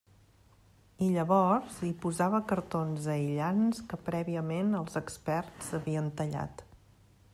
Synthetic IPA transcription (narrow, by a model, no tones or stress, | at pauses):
iʎəβɔɾzipuzaβəkəɾt̪onzəiʎanskəpɾɛβiəmenəlˠzəkspɛɾzəβiənt̪əʎa̰t̪